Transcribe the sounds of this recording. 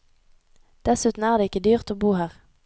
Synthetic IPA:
d̪̥ɛsʉːt̪n̩æːʁd̪eːɪkəd̪yːʁt̪oːbuːhæːʁ

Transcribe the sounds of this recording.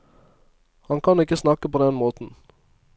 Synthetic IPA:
hɑnkʰɑnɪkːəsnɑkːəpoːd̪ɛnmoːt̪n̩

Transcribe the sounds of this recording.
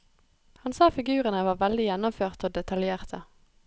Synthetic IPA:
hɑnsɑːfɪɡʉːʁənəʋɑːʁʋɛld̪ɪjɛnʊmføːʁt̪əoːd̪ɛt̪ʰɑljeːʁt̪ʰə

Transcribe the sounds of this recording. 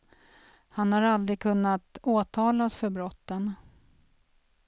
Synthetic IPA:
hanhaɾald̪ɾɪɡ̚kʰɵnːat̪oːt̪ʰɑːlasfœɾbɾɔt̪ːən

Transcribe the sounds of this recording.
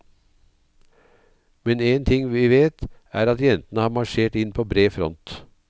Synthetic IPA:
mɛneːnt̪ʰɪŋʋiːʋeːt̪ | æːɾɑt̪jɛnt̪ənəhɑːɾmɑʂeːʈɪnpʰoːbɾeːfɾɔ̰nt̪

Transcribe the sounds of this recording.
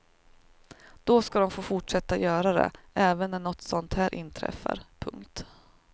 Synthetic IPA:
d̪̥ɔskad̪ɔmfoːfʊʈʂɛt̪ːajœːɾad̪ɛ̰ʔɛːvənːæɳɔt̪ːsɔnt̪hæːɾʔɪ̰nt̪ʰɾɛ̰fːa̰ɾpʰɵ̰ŋkt̪

